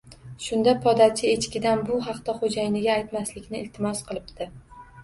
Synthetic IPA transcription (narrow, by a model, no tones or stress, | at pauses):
ʃʊnd̪apʰɒd̪at͡ʃʰɪet͡ʃkʲɪd̪anbʊɦɑqt̪aχod͡ʒajɪnɪɡʲaːjt̪maslɪkʲnɪːlt̪ʰɪmɒsqʰɨlˠɪp̚d̪ɪ